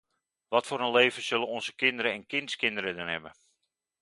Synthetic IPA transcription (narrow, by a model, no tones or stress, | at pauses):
ʋɔtfoːɾənleːvəz̥ølənɔnzəkɪndəɾəɛnkɪnskɪndəɾədənɦɛbə